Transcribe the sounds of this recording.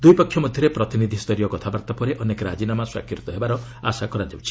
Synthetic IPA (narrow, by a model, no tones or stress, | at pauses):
d̪ujpɔkʰːjɔmɔd̪ʱjɔɾepɾɔt̪inid̪ʱist̪ɔɾijɔkɔt̪ʰabaɾt̪apɔɾeʔɔnekɾad͡ʒinamaswa̰kʰit̪ɔɦebaɾɔa̰sakɔɾad͡ʒawt͡ʃʰi̥